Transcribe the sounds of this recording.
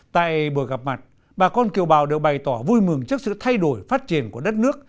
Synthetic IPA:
t̪a̰ː˧˨jɓu˨˧˩əɣa˨˩p̚ma˨˩t̚ | ɓaː˨˩kɔ˧nki˨˩əwɓaː˨˩wɗe˨˩wɓa˨˩jt̪ɔ˧˩vu˧jmɨ˨˩əŋt͡ɕɨ˦˥k̚sɨ̰˧˨t̪ʰa˧jɗo˧˩˦jfaː˦˥t̚t͡ɕi˧˩ənku˧˩əɗə˦˥t̚nɨ˦˥ək̚

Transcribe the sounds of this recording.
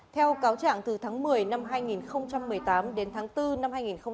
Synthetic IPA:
t̪ʰɛ˧wkaː˨˦wt͡ɕa̰ː˧˨ŋt̪ɨ˨˩t̪ʰaː˨˦ŋmɨ˨˩əjna˧mɦaː˧jŋi˨˩nxə˧wŋ͡mt͡ɕa˧mːɨ˨˩əjt̪aː˨˦mɗe˨˦nt̪ʰaː˨˦ŋt̪ɨ˧na˧mhaː˧jŋi˨˩nxə˧wŋ͡m

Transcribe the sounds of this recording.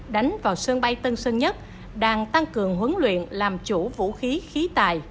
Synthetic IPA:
ɗa˨˦jŋ̟vaː˨˩wsɨ˧əŋɓa˧jt̪ə˧nsə˧ŋɲə˦˥t̚ | ɗaː˧˩ŋt̪a˧ŋkɨ˨˩əŋɦwə˨˦nlwḭ˧˨ənlaː˨˩mt͡ɕu˧˩vṵ˧˥xi˨˦xi˨˦t̪a̰ː˨j

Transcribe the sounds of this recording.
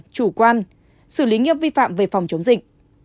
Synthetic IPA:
t͡ɕu˧˩kwaː˧n | sɨ˧˩li˨˦ŋḭ˧əvi˧fa̰ː˧˨mve˨˩fa˨˩wŋ͡mt͡ɕə˨˦wŋ͡mzï˨˩k̟̚

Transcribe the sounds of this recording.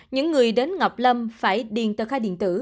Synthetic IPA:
ɲɨ̰˧˥ŋːɨ˨˩əjɗe˨˦nŋa˨˩wk͡p̚lə˧mfaː˧˩jɗḭ˨˧˩ənt̪əː˨˩xaː˧ɗḭ˧˨ənt̪ɨ̰˧˩

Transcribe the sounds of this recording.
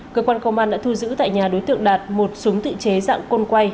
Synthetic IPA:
kəː˧kwaː˧nkə˧wŋ͡mʔaː˧nɗa̰ː˧˥t̪ʰu˧zɨ̰˧˥t̪a̰ː˧˨jɲaː˨˩ɗo˨˦jt̪ɨ̰˧˨əŋɗaː˨˩t̚mo˨˩t̚sʊ˨˦ŋ͡mt̪ɨ̰˧˨t͡ɕe˨˦za̰ː˧˨ŋko˧nkwa˧j

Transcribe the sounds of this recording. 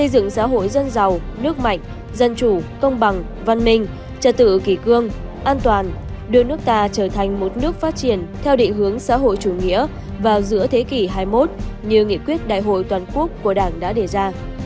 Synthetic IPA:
sə˧jzɨ̰˧˨ŋsa̰ː˧˥ɦo̰˧˨jzə˧nza˨˩wnɨ˦˥ək̚ma̰˧˨jŋ̟ | zə˧nt͡ɕu˧˩kə˧wŋ͡mɓa˨˩ŋ | va˧nmï˧ŋ̟ | t͡ɕə˧˩t̚t̪ɨ̰˧˨ki˧˩kɨ˧əŋʔaː˧nt̪waː˨˩n | ɗɨ˨˧ənɨ˦˥əkt̪aː˧t͡ɕəː˧˩t̪ʰa˨˩jŋ̟mo˨˩t̚nɨ˦˥ək̚faː˦˥t̚t͡ɕi˧˩ənt̪ʰɛ˧wɗḭ̈˧˨ŋ̟ɦɨ˨˦əŋsa̰ː˧˥ɦo̰˧˨jt͡ɕu˧˩ŋḭ˧˥ə | vaː˨˩wzɨ̰˧˥ət̪ʰe˨˦ki˧˩ɦaː˧jmo˦˥t̚ɲɨ˧ŋḭ˧˨kwi˦˥ət̚ɗa̰ː˧˨jɦo̰˧˨jt̪waː˨˩nku˦˥əkːu˧˩əɗaː˧˩ŋɗa̰ː˧˥ɗe˧˩zaː˧

